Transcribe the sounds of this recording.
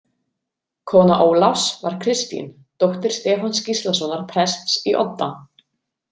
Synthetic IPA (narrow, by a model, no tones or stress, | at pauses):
kʰɔːnaʔoːwlafsva̰ɾ̥kʰɾɪst̪ḭn | t̪ɔht̪ɪɾ̥st̪ɛːfanscist̪lasɔnaɾ̥pʰɾɛst̪siʔɔ̰t̪ːa